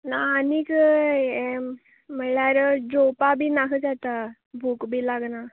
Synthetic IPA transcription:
naːnik | m̤əɭaɾəd͡ʑopabʱiːnakʰət͡sat̪a | bʱuːkbʱiːlaɡna

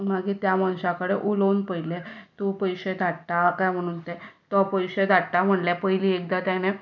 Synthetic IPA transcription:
maɡiːt̪jamañɕakəɽeʔuləunpəjlet̪upəjɕed̪ʱaʈt̪akajm̤əɽ̃unt̪et̪əpəjɕed̪ʱaʈʈ̪am̤əɳljapəjliːek̚d̪at̪jane

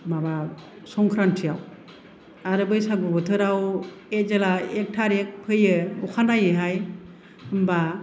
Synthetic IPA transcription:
maba | sɔŋkʰɾantʰijaw | aɾɯbɯjsaɡubɯtʰɯɾaw | ezelaek̚tʰaɾek̚pʰɯjɯɔkʰanajɯɦaj | ɯmba

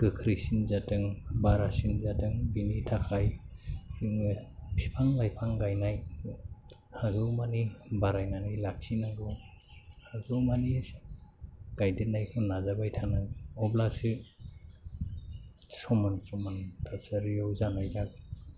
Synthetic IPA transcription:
ɡ̥ɯkʰɾisinzatɯŋbaɾasinzatɯŋbinitʰakʰaj | iŋɯpʰipʰaŋbajpʰaŋɡajnaj | haɡɯwmanibaɾajnanilak̚sinaɡɯw | haɡuwmanis | ɡ̥ajditnajkʰɯnːazabajtʰanaɡɯɔblasɯ | sɔmansɔmantʰasaɾijɔwzanajzaɡ

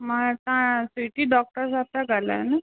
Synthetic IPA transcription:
məɡt̪ãsiʈiːɖɔk̚ʈəɾsat̪jaɡʱala̰na

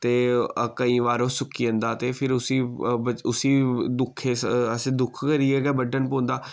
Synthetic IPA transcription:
t̪eːkəĩːʋaːɾoːsʊkːiːə̃nd̪aːt̪eːpʰɪɾʊsiːbəʊsiːd̪ʊkʰeːsəsẽːd̪ʊkʰkəɾieːɡaːbəɖənpõːnd̪aː

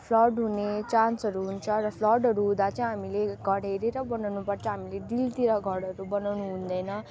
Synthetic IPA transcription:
pʰlʌɖɦunet͡sansʌɾuɦunt͡sʰʌrʌpʰlʌɖɦʌɾuɦũd̪at͡sãĩɦamileɡʱʌɽeɾeɾʌbʌnawnupʌrt͡sʰʌɦamileɖilt̪iɾʌɡʱʌɽʌɾubʌnawnuɦũnd̪ʌjnʌ

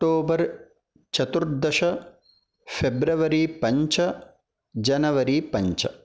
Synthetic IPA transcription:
kʈoːbɐɾ | t͡ʃɐt̪uɾd̪ɐʃɐ | pʰebɾɐʋɐɾipɐɲt͡ʃɐ | d͡ʒɐnɐʋɐɾipɐɲt͡ʃɐ

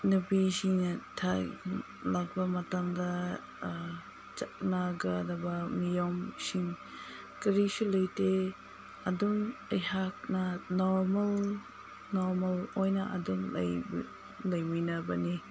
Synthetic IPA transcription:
nubisinɐtʰa | lak̚bɐmɐtamdɐ | t͡ʃak̚naɡadɐbɐmijomsiŋ | kɐɾisulɐjte | ɐdumɐjhak̚nɐnɔɾmɐl | nɔɾmɐlojnɐʔɐ̰duŋlɐ̰jb | lɐjminɐbɐni

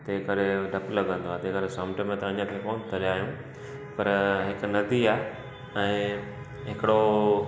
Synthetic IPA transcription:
t̪eːkɐɾeɖʱɐplɐɡə̃nd̪oaːt̪eːkəɾesɐ̃ːmʈmẽt̪ɐɐɲət̪ʰekoːnt̪ʰɐɾaːɦijũ | pɐɾɦɪknɐd̪iaːɦ | ɛ̃ː | ɦɪkɪɽo

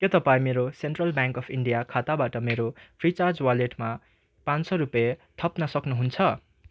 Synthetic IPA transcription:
kʌt̪ʌpãĩmeɾoseɳʈrʌlbjãŋkʌpʰiɳɖijakʰat̪abaʈʌmeɾopʰrit͡sard͡zwaleʈma | pansʌɾupjet̪ʰʌpnʌsʌknuɦunt͡sʰʌ

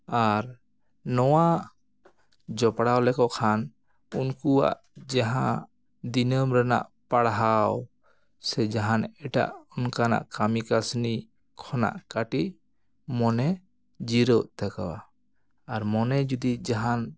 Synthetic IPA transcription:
aɾ | nɔwaʔ | d͡ʒɔpɽawlɛkɔʔkʰan | unkua̰ʔ | d͡ʒaɦã | d̪inəmɾɛna̰ʔpaɽɦaw | sɛd͡ʒaɦanɛʈa̰ʔɔnkana̰ʔkamikasni | kʰɔna̰ʔkaʈiʔ | mɔnɛ | d͡ʒiɾɔʔt̪aka̰wa̰ː | ɾmɔnɛd͡ʒud̪id͡ʒaɦan

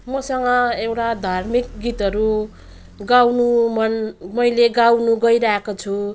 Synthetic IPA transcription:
mʌsʌŋɡʌewʈad̪ʱarmik̚ɡit̪ʌɾu | ɡawnumʌnmʌjleɡawnuɡʌjɾaɦekot͡sʰu

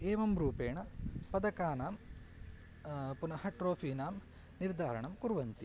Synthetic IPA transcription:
eːʋɐmɾuːpeːɳɐpɐd̪ɐkaːnaːm | punɐhɐʈɾoːfʰiːnaːm | niɾd̪ʱaːɾɐɳɐmkuɾʋɐnt̪i

